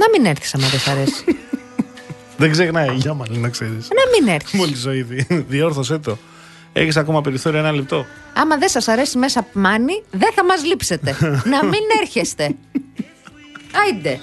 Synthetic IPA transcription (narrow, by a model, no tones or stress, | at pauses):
nɐmineɾθi̥sɐmɐðesɐɾe̞si̥ | ðeɡzeɣnɐiʝɐmɐninɐkseɾisnɐmine̞ɾθmolizoiðiðioɾθoset̪o̞ | e̞̰çisɐkomɐpeɾiθo̞ɾioenɐlip̚t̪o̞ | ɐmɐðe̞sɐsɐɾe̞sime̞sɐmɐniðeθɐmɐzlipse̞t̪e̞nɐmine̞ɾçe̞st̪e̞ | ɐid̪e̞